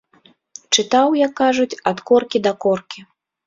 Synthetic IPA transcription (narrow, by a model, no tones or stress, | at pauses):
t͡ʂɨt̪awjakːaʐut͡sʲɐt̪kɔrkʲid̪ɐkɔrkʲi